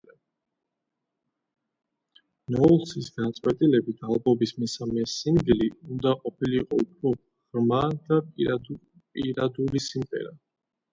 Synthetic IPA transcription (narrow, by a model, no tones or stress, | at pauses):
nɔlˠsisɡat̪sʼwɛt̪ʼilɛbit̪ʰalˠbɔbismɛsamɛsiŋɡ̪iliund̪aqʼɔpʰiliːqʼɔupʰɾɔ | ʁɾmad̪̥a | pʼḭɾad̪ulisimqʼɛ̰ɾa